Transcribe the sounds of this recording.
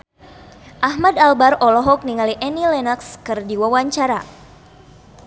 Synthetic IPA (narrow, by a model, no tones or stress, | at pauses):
ʔaɦmadalbarɔlɔɦɔk̚niŋaliʔɛnilɛnakskɨrdiwawaɲt͡ʃaɾa